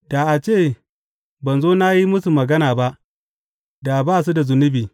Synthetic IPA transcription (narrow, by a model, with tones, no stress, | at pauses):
d̥a˨ʔa˨t͡ʃeː˦˨ | bɐ˨nzoː˦na˦ji˦mʊ˦su˨mɐ˨ɡɐ˦naː˨ba˦ʔ | da˨baː˦˨s̬u˦da˨zʊ˨nʊ˦biː˨